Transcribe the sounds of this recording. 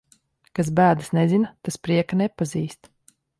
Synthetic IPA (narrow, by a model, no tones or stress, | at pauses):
kas̬bæːd̪ɨsnɛzinat̪aspɾiɛkanɛpaziːst̪